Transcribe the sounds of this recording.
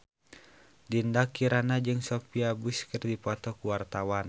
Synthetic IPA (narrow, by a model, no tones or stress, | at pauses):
dindakiɾanad͡ʒɨŋsɔpiabuskɨrdipɔt̪ɔkuwart̪awan